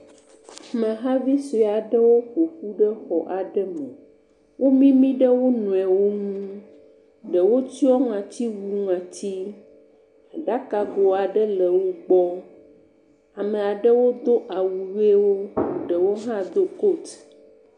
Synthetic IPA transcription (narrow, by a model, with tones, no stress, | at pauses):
mɛ̃˨ɦã˦vi˦si˨a˨ɖə˦wo˦ɸo˨ɸu˦ɖə˦xɔ˨ʔa˨ɖə˦mɛ̃˨ | wo˦mĩ˦mĩ˦ɖə˦wo˦nũ˨ɛ˨wo˦ŋuũ˦ | ɖə˨wo˦ti˦ɔ˦ŋã˨t̪i˦wu˦ŋã˨t̪i˦ | a˨ɖa˦ka˨ɡo˨a˨ɖə˦lə˨wo˦ɡ͡bɔ˦ | a˨mẽ˨a˨ɖə˦wo˦d̪o˦ʔa˨wu˨ɣe˦wo˦˨ɖə˨wo˦ɦã˦d̪o˦ko˦˨t̪